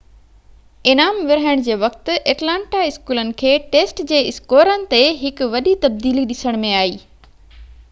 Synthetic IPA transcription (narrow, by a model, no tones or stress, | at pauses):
ɪnaːmʋɪɾaːəɽ̃d͡ʑeːʋɐk̚t̪ʊ̆ʔeːʈlãːɳʈaɪskuːlənɪ̆kʰeːʈeːsʈd͡ʑeːɪskoːɾənɪ̆t̪eɦɪkʊʋɐɗit̪ɐb̚d̪iːliɗɪsəɽ̃mẽaːiː